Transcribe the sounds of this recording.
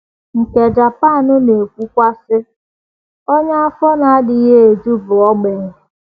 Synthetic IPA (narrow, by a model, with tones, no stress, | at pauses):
ŋ̩˨ke˨d͡ʒa˨pa˦˨nʊ˦ne˨kʷu˦kʷa˦sɪ˦ | o˦ɲa˦a˦fɔ˦na˨a˦dɪ˨i˦ɦe˦e˨d͡ʒu˦bʊ˨ɔ˦ɡ͡be˨ŋ˨